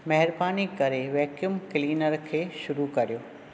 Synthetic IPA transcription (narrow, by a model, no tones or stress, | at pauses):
mɐɦɪɾbaːnikɐɾeʋɛːkjʊmkɪliːnəɾkʰeːʃʊɾukɐɾijoː